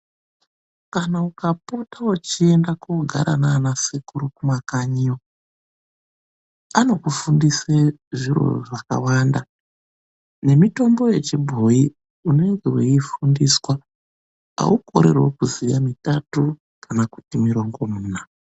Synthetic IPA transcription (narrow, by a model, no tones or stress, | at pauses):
kanaukapotawut͡ʃie̞ndakoɡʱa̰ɾʔananasekuɾukumakaɲio | ano̞kufundiseʐiro̞̰ʐaka̰wanda | ne̞mito̞mbo̞je̞t͡ʃebʱo̞i | une̞ŋɡe̞wḛifundiswa | a̰uko̞̰ɾe̞̰rwo̰kuzijamitatu | kanaku̥timiɾo̞ŋɡo̞muːna